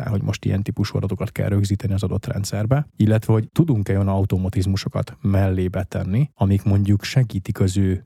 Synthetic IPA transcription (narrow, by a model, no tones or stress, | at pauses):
ɛ̰lɦoɟmʔo̞ʃt̪ḭjɛ̰nt̪ipuʃuɒ̰d̪ɒt̪okɒt̪kɛ̰lɾø̞ɡziːt̪ɛniɒzɒd̪o̞t̪rɛ̰nt̪sɛrbɛilːɛt̪ʋɛɦo̞ct̪ud̪uŋkɛjonɒut̪omɒt̪izmuʃo̞kɒ̰t̪mɛlːeːbɛt̪ɛnːiɒmikmo̞ɲɟukʃɛɡiːt̪ikɒzøː